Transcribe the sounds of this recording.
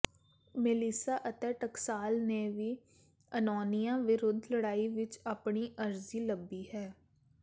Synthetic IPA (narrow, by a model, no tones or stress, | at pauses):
meliːsaːʔət̪ɛːʈəksaːlneːʋiː | ənɔːnijãːʋɪɾʊd̪ʱləɽaːiːʋɪt͡ʃaːpɳiːʔəɾziːləbːiːhɛː